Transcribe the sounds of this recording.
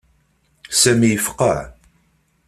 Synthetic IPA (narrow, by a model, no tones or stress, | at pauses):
sæmijəfqə̰ʕ